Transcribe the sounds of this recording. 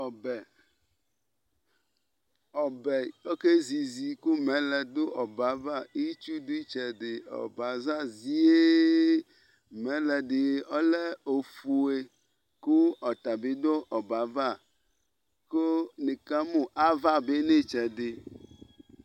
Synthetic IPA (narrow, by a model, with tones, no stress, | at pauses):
ɔ˨bɛ˨ | ɔ˨bɛ˨o˦ke˦zi˨zi˨ku˦mɛ̃˨˦lɛ˨d̪o˦ʔɔ˨ba˨˦va˦˨i˦t͡ʃu˦du˦i˦t͡ʃɛ˨ɖe˨ɔ̰˨ba˨za˦zi˦e˦ | mɛ̃˨˦lɛ˨ɖe˨ɔ˦lɛ˦o˨fu˨e˨ | ko˦ɔ˨t̪a˨be˦d̪o˦ʔɔ˨ba˨va˦˨ | ko˦ne˨ka˦mõ˦ʔa˦va˦˨be˦ne˦t͡ʃɛ˨ɖe˨